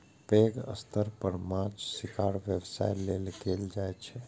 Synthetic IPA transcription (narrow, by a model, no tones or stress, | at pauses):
peːɡə̰st̪ʰəɾpəɾmat͡ʃsɪkʰaːɽʋjəwsa̰ːjleːlkeːld͡ʒaːɛt͡ʃʰɛ